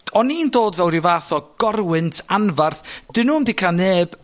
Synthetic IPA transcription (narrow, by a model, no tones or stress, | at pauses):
tʰɔniːndoːdvɛwɾivaːθɔɡ̥ɔrwɨntʰanvarθd̥ɨnumdɪkʰaneːb̥